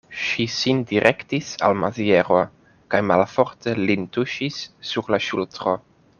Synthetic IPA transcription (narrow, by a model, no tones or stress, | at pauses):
ʃisindiɾʔektisa̰lmazieɾo | kajmalfo̞ɾte̞lintuʃisːuɾlaʃultɾo